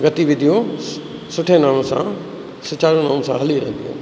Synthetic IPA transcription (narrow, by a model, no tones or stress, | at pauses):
ɡɐt̪iʋɪ̃d̪ʱijõ | sʊʈʰenaːɽ̃õsã̰ | sʊt͡ɕaːɾjõnaːñõsãɦɐliɾɛ̰̃ɦɪ̃n̆d̪ijõ̰ː